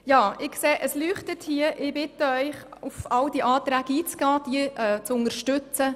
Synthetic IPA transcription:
jɑːɪkseːʔəslyːχtətʰhiəʔɪbɪt̪əœʏχufɑld̥iʔɑːt̪ɾæːɡiːt͡sɡ̥ɑːd̥iəʔɛt͡sʊnəɾʃtʏt͡sə

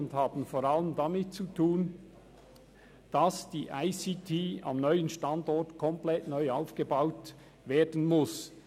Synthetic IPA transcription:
ʊndhɑːbn̩foːɾaləmdɑmɪt̚t͡sutʰuːn | d̥ɑsd̥iːʔaɪsitʰiːɑmnœʏənʃtɑndɔɹtkʰɔmplɛtnœʏaʊfɡ̥əbaʊt | veːdn̩mʊs

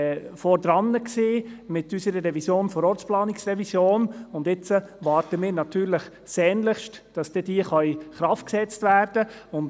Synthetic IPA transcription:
fɔɾd̪ɾɑnːəkseːmɪtysəɾəɾɛvisjoːnfɔɾɔɾt͡splɑːnɪksrɛvisjoːnʊndɪt͡səʋɑːɾtəmɪːɾnɑtyːɾlɪχ | sɛːnləχʃtd̥ɑsd̥ɛd̥iəχœjχɾɑft̚ksɛt͡stvæːɾd̥əʊnd

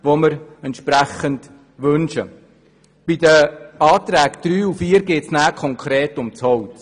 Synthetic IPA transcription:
ʋoməɾɛntʃpɾæχənd | ʋɵnʃə̰ | b̥idəɑːt̪ɾæːɡd̪̥ɾyːufiːɾɡeːtsnæːkʰɔŋkʰɾeːtʊmt͡shɔwt

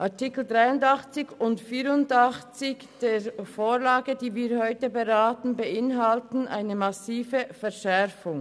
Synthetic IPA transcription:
ʔɑʁtɪkl̩dʁaɪʊndɑχt͡sɪçʊntfiːɾʊndɑχt͡sɪçd̥eːɾfoːʁlaːɡədiːviːɐhɔʏtəbəʁaːtn̩bəʔɪnɦɑltn̩ʔa̰ɪnəmɑsiːvəfɛʁʃɛʁfʊŋ

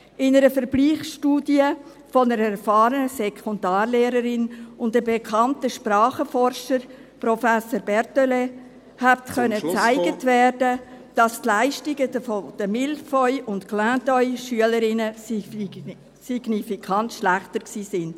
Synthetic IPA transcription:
ʔɪnəɾəfəɾbliːχʃtuːdjə | fɔnəɾəɛɾfɑːɾənəsɛkʰɔndɑːrleːɾəɾɪnʊndəbekʰɑntəʃpɾɑːχəfɔɾʃəɾ | prɔfæsoːɾbɛɾtøle | hæb̚tkœnːət͡sæɪɡ̥ətvɛːɾdəd̥ɑstlaɪʃtɪɡədəfɔd̥əmɪlfɔʏʔʊntklæ̃ːtɔʏʃyələɾɪnə | siɡ̥nifikʰɑntʃlæχtəɾksiːsɪnd̥

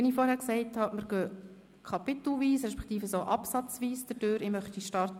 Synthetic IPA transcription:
ɛnɪfɔːɾhɛːɾksɛɪthɑmɪɾɡ̥øː | kʰɑpɪt̪l̩ʋiːsɾɛʃpɛ̥ktiːfəsoːʔɑpsɑt͡svʋiːsd̥əd̥øːɾɪmœχtiʃtɑrt

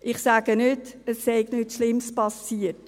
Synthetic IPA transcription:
ʔɪχsaːɡ̥ənʏtəsːɛɪɡnytʃlɪmspɑsiːət

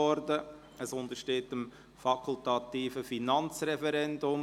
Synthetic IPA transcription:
ɔɾdə | əsʊnd̪əʃteːtəm | fɑkʰʊltɑt̪iːfəfinɑnt͡srɛfɛɾɛndʊm

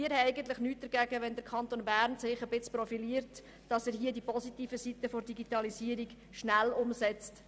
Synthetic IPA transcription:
iːɾɛɪɡənt̪ləχnyːt̚d̥̪əɾɡæɡəʋɛnd̪əɾkʰɑnt̪onbæːɾnsɪχəbɪt͡sprɔfiliəɾt | d̥ɑsæːɾɦiədipɔsit̪iːfəsit̪əfoɾdiɡitɑlisiəɾiɡ | ʃnælʊmsɛt͡st

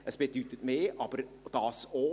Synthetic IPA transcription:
ʔəsb̥edyt̪ətmeːʔɑb̥əɾ | d̥ɑːso

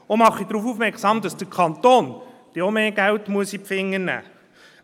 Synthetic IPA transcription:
omɑχːid̥ɾuːfuːfmɛksɑːmd̥ɑsd̥əkʰɑnt̪oːnd̥eomeːɡ̥æltmuəsipfɪŋːənæ̰ː

